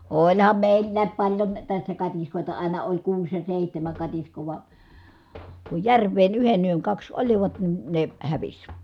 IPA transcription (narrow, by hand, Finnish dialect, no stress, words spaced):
olʲhɑm meˑilːæːp pɑlʲjon tæsːæ kɑtiskoˑitɑ ɑˑinɑ olʲ kuːs jɑ seˑihtæmæŋ kɑtiskoː ʋɑ ku jærˑʋˑeːn yhen yøŋ kɑks oliʋɑt nin ne hæʋis